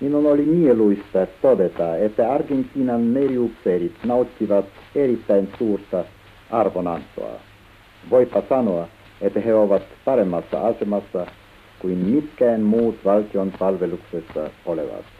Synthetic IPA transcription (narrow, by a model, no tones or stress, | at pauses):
minunolʲimieluist̪ɑt̪od̪et̪ɑet̪ːæɑrɡenʲt̪ʲːiːnɑnmeriupseɾit̪nɑut̪ʲːiʋɑt̪eɾit̪ːæjnsuːrt̪ɑ | ʔɑrʋonɑnt̪ˑo̰ɑ̰ | ʋo̞jpːɑsɑnoɑ | et̪ːæheoʋɑt̪pɑɾe̞mːɑsːɑ̰ɑse̞mɑsːɑ | kuinmit̪kæːnmuːt̪ʋɑlt̪ionpɑlʋe̞luksesːɑ̰olḛʋɑ̰t̪